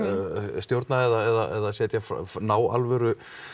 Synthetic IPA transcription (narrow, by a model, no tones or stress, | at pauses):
st̪jowɾt̪naɛðaɛðaʔɛ̰ðasɛːt̪jafnaːwa̰lvɛɾʏ